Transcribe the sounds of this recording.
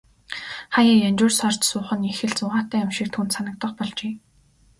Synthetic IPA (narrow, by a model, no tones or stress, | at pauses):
χajaːjanʲt͡ɕʊːrsɔr̥t̪sʊːχə̆nixɘ̆ɮt͡sʊʁaːt̪æːamʃiːk̚t̪ʰuːnt̪sanə̆k̚t̪ə̆qpɔɮt͡ɕeː